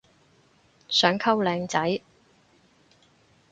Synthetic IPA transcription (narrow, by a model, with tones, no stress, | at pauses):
sœː˨˥ŋkʰɐ˥wlɛː˨˧ŋt͡sɐ˨˥j